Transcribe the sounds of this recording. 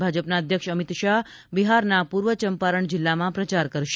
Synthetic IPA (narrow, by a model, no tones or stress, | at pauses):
bʱad͡ʒəpnaəd̪ʱjəkʃəmit̪ʃaɦ | biɦaɾnapuɾʋət͡ʃəmpaɾəɳd͡ʒɪlːamãpɾət͡ʃaɾkəɾʃ